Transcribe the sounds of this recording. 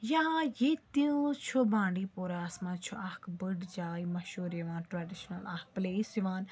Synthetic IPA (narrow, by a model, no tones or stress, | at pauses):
jaãjeːt̪iũt͡ʃʰubãːɳɖipoːɾaːsmãt͡ʃʰuʔɐhkbəɖd͡ʒaːimɐʃuːɾeʋãːnʈɾaːɖiʃnɐlaːk̚pleːsiʋaːn